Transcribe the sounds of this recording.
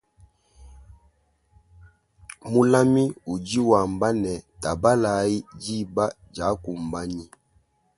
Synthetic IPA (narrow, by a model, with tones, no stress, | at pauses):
mu˦la˦mi˦u˨d͡ʒi˦wa˨mba˦nɛ˨ta˨ba˦la˨˦i˦d͡ʒi˦ba˦ | d͡ʒa˨˦ku˨mba˦ɲi˦